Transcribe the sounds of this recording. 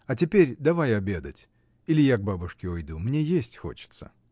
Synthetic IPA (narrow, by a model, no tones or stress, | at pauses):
ɐtʲɪpʲeɾʲd̪ɐvajɐbʲe̞d̪ə̰tʲ | ilʲɪjaɡ̚babʊʂkʲɪʊjd̪umnʲejesʲtʲxo̞̰t͡ɕɪ̥t̪sə̰